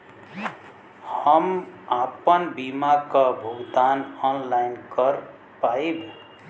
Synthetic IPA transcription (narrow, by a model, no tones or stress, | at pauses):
hʌmapʌnbimakʌbʱuɡd̪anɔnlajnkʌɾ | paib